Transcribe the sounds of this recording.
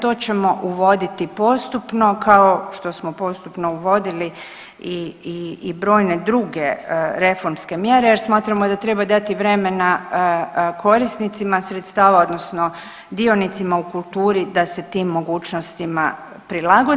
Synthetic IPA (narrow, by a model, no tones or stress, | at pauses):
t̪o̞ːt͡ɕe̞mo̞ʔuʋo̞d̪it̪ipo̞st̪upno̞kaoʃt̪o̞smopo̞st̪upno̞uʋo̞d̪ili | iiːbɾo̞ːjne̞d̪ɾuɡeɾe̞fo̞ɾmske̞mje̞ɾe̞jeɾsmaːt̪ɾamod̪at̪ɾe̞bad̪at̪iʋɾe̞me̞na | kʰo̞ɾisnit̪simasɾet̪st̪aːʋao̞d̪no̞sno | d̪io̞nit̪simaukulˠt̪uːɾid̪ase̞t̪iːmːo̞ɡuːt͡ʃno̞st̪ima | pɾilaɡo